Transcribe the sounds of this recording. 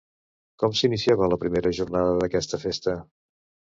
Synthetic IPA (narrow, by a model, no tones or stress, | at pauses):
kɔmsinisiaβələpɾimeɾəʒurnaðəðəkɛst̪əfest̪ə